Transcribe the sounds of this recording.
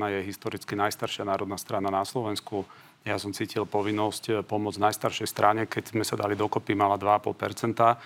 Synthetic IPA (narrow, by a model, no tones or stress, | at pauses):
najɛɦist̪ɔɾit͡skinajst̪aɾʃɪanaːɾɔd̪nast̪ɾananaslɔʋɛnsku | jasɔmt͡siːcilpɔʋinːɔscpɔmʊɔd͡znajst̪aɾʃɛjst̪ɾaɲɛkɛɟzmɛsad̪alid̪ɔkɔpimalad̪ʋaːpɔlpɛ̰ɾt͡sɛnt̪a